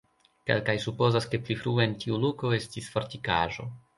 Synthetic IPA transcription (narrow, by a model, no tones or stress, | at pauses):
ke̞̰lkajsupo̞zaske̞plifɾueentiuluko̞e̞stisfo̞ɾtika̰ʒo̞̰